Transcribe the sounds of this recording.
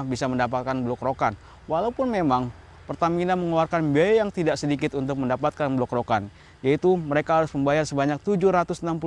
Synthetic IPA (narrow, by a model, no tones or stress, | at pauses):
bisaməndapat̪̚kanblɔkɾokan | walaupʊnmemaŋ | pərt̪aminanməŋluarkanbiajajaŋt̪idaʔsədikɪt̪unt̪ʊk̚məndapat̪̚kanblɔkɾokan | jait̪uməɾekaɦaɾʊsməmbajarsəbaɲak̚t̪ud͡ʒʊɾat̪ʊsnampu